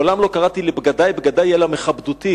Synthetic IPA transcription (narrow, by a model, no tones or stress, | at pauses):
olamlo̞kaʁat̪ilebɡad̪ajbɡad̪ajelameχabd̪ut̪i